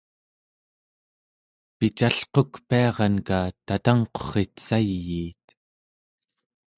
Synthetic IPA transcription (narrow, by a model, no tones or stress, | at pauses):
pit͡ʃaɬqokpiɑʁɑnkat̪at̪aŋqo̥χe̞t̪sajːiːt̪